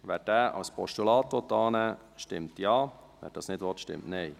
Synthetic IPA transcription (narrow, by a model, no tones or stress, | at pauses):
ʋæːt̚dæːʔɑ̰lspʰɔʃtulɑːt̪ot̪ːɑːnɛ | ʃtɪmtjɑː | ʋæ̰ɾ̚d̥ɑːsnɪdʋɔtʃtɪ̰mtnɛɪ